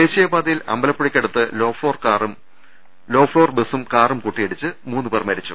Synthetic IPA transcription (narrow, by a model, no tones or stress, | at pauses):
eːɕijɐbaːd̪ɐjilɐ̰mbɐlɐpːuɽikʲːeɽut̪ːɨloːfoːrkːrm | lo̞ːfɭoːrbɨsumkaːrumkuʈːijeɽit͡ɕːɨmuːnːɨpermɐɾit͡ɕːṵ